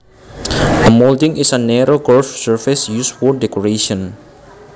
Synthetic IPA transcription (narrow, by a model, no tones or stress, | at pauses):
əmoldɪ̃ŋisənɛɾoɡɔlfsəɹfɪsjuswɔdɛkoɾeʃɔ̃n